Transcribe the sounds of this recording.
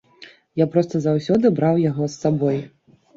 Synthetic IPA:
japɾɔst̪ɐzawsʲɔd̪ɨbɾawjaɣɔsːabɔj

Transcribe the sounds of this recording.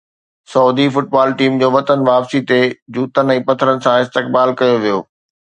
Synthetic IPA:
sɐud̪ifʊʈ̚baːlʈiːmd͡ʑoːʋɐt̪ənʋaːpsit̪ed͡ʑuːt̪ən̆ɛ̃ːpɐt̪ʰəɾənɪ̆sãɪst̪ɪk̚baːlkɐjoʋijo̰ː

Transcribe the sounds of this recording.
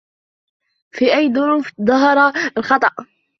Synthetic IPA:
fiʔajːðʊɾuːfðˤɑɦɑɾˤɑlxɑt̪ˤɑʔ

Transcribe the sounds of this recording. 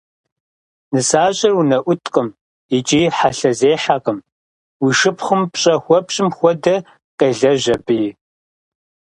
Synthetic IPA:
nɨsaːɕʼɐrwunɐʔʷʊtʰʼqʼəm | it͡ʃʼiːħaɬɐzeːħaqəm | wiʃɨpχʷʊmpɕʼɐxʷɔpɕʼɪmxʷɔdɐ | qeːɮɐʑɐbɨjɪ

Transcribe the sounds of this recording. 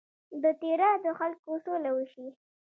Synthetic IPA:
d̪ət̪eɾad̪əxalkosolawəʃi

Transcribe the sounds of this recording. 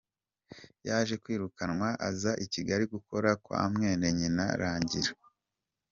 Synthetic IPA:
jaːʒe̞kwiːɾukanŋwaʔazaʔiciɡaɾiɡuko̞ɾakwa̰mŋe̞ːneɲina̰ɾaːɲɟiɾa

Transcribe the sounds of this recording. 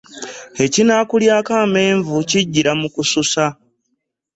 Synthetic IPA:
e̞cinaːkuljaːkaːme̞ːɱvuciɟːiɾamukususa

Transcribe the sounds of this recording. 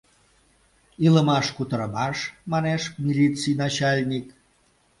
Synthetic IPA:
iləmɑʃkut̪əɾəmɑʃmɑneʃmʲilʲit͡sijnɑt͡ɕɑlʲnʲik

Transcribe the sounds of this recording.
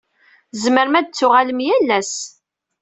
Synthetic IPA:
zməɾmæd̪̚t͡sːʊʁaləmjælːæs

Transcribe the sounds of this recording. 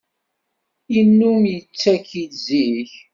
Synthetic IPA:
inːumjət͡sːækiziç

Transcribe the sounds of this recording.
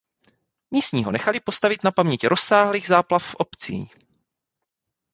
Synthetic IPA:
miːst̪ɲiːɦonɛxalɪpo̞st̪avɪt̪napamɲɛcɾʔosːaːɦliːɣzaːplafːʔopt͡sḭː

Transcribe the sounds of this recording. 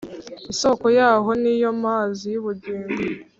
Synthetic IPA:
iso̞ko̞jaːɦo̞nijo̞maːzijuβuɟiːŋɡo

